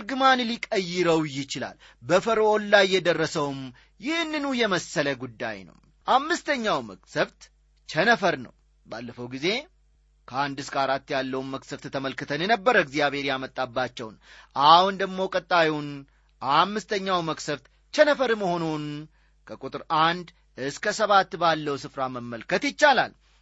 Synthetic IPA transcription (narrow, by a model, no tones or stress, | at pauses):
ɾɡɨmanlikʼəjːɪɾəwjɪt͡ʃɪla̰l | bəfəɾəonlajːɛd̪ərːəsəwm | jɪhnːɨnujɛməsːələɡud̪ːa̰jnə̰w | ʔamːɨst̪ʰəɲːawmə̰ksəβt̪ | t͡ʃʰɛnəfəɾnə̰w | ba̰lːəfəwɡize̞ | kʰəand̪ɨskʰaɾat̪ːjalːəwumməksəβt̪t̪ʰəməlkɨt̪ʰənjɛnəbːəɾəɡzijaβhe̞ɾjamət̪ʼːabːat͡ʃːɛwnʔahund̪əɡmo̞kʼət̪ʼːajwn | amːɨst̪ʰəɲːawməksəβt̪ | t͡ʃənəfəɾməho̞non | kʰəkʼut̪ʼɨɾand̪ | ʔɨskʰəsəβat̪ːbalːəwsɨfɾaməmːəlkʰət̪jɪt͡ʃːala̰l